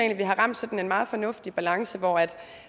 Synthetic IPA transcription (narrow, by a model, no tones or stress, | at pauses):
ḛnliʋiɦɑ̈ʁɑ̈m̰d̥sɒ̽d̥n̩e̝nmɑ̈ːð̞̩ˠfɒ̽nɔ̽fd̥ib̥ælɑ̈ŋsəʋɒæd̥